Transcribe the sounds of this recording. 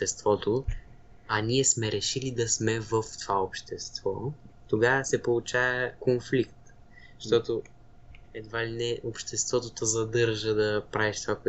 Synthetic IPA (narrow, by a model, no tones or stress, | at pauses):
t̪ɛst̪vɔt̪o | ɐniɛsmɛɾɛʃilid̪ɐsmɛvəft̪ovaopʃt̪ɛst̪vɔt̪oɡavəsɛpolˠut͡ʃavəkonflikt̪ | ʃt̪ɔt̪o | ɛd̪valinɛʔopʃt̪ɛst̪vɔt̪ot̪əzɐd̪ɤɾʒəd̪ɐpɾavɛʃt̪ovakoɛ